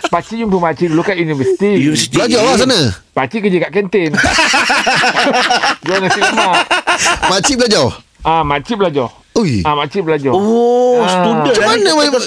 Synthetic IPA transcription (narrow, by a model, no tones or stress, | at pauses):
pat͡ʃiʔumpəmat͡ʃidulukaʔjunivəsit̪ilad͡ʒɔlas̬anə̃ | bat͡ʃiʔkəd͡ʒəkaʔkɛnt̪en | d͡ʒɔnasima | mat͡ʃiblad͡ʒɔw | ãmat͡ʃiʔbəlad͡ʒɔ | ujamat͡ʃiʔblad͡ʒɔ | sudəd͡ʒəmanə̃